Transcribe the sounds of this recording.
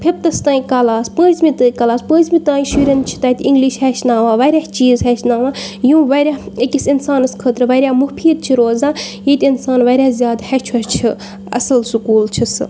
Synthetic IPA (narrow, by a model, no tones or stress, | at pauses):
pʰiɾ̚t̪ɐst̪aːikɐlaːspə̃ːzmit̪ɨːkɐlaːspə̃ːzmit̪ãːiʃuɾʲɐn̚t͡ʃʰi̥t̪ɐːt̪ʲĩŋɡliʃɦɛːt͡ʃʰnaːʋaːʋɐːɾʲaht͡ʃiːzɦɛːt͡ʃʰnaːʋãːjũːʋɐɾʲaekisinsaːnɨskʰəːt̪ɾɨʋɐɾʲjaːmuhpʰiːd̪̚t͡ʃʰiɾoːzãːjet̪ʲinsaːnʋɐːɾʲaːzʲjaːd̪hɛːt͡ʃʰɐt͡ʃʰi | ɐ̰sɐlsukuːlt͡ʃʰisɨ